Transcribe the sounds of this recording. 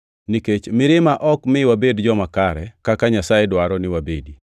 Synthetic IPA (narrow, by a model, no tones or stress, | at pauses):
niket͡ʃmɪɾɪmaʔɔkmɪwabedd͡ʒɔmakaɾɛkakaɲasajɛdwaɾɔnɪwabedi